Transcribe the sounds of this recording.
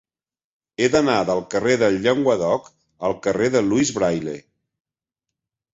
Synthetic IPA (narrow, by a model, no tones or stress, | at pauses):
eðənaðəlˠkəreðəʎːeŋɡwəðɔk | əlˠkəreðəluizβɾajlḛ